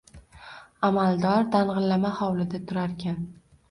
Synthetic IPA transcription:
amalˠd̪ɒɾd̪aɴʁɨlːamahɒwlɪd̪at̪ʰʊɾaɾkʲʰan

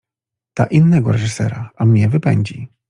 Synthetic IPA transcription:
t̪aʔinːɛɡɔɾɛʐɨsɛɾaamɲɛvɘpɛɲd͡ʑi

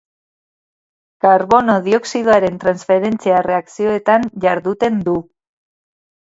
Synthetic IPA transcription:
kaɾβo̞no̞ð̞io̞ksiðoaɾe̞nt̪ɾansfe̞ɾe̞nt͡siare̞aksio̞e̞t̪anʝaɾðut̪e̞nd̪u

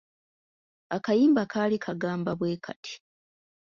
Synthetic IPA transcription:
akajiːmbakʰaːlikʰaɡaːmbaβwe̞ːkʰatʰi̥

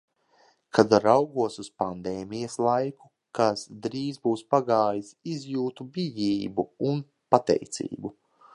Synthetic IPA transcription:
kʰad̪ɾawɡuɔsuspand̪eːmijɐslˠajku̥ | kasd̪ɾiːzbuːspaɡaːjisizjuːt̪ubʲijiːbuun | pat̪ɛ̰jt̪sḭːbu

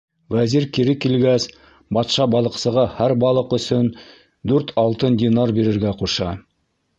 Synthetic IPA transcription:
wæziɾkiɾɘkilɡæs | bɑt̪ʃɑbɑlˠɤ̆qsɤ̆ʁɑhæɾbɑlˠɤqɵ̆sɵn | d̪ʉɾt̪ʰɑlˠt̪ɤndʲɪnarbiɾɘ̆ɾɡæquʃɑ

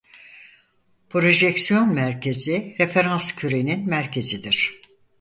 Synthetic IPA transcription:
pʰɾo̞ʒɛcsijo̞nmæɾcʰe̞ziɾe̞fe̞ɾanscʰyɾe̞ninmæɾcʰe̞zid̪iɾ̝̥

